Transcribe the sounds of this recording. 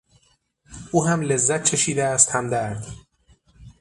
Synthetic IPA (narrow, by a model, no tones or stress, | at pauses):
ʔuːɦæmle̞zːæt̪̚t͡ʃʰeʃiːd̪æːst̪hæmd̪æɾd̪̥